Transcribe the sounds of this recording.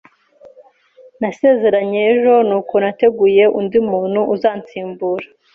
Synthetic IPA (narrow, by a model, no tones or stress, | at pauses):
nase̞ːze̞ɾaɲeːʒo̞nuːko̞nate̞ɡuje̞ʔundimuːn̥huʔuzaːnt͡siːmbuːɾḁ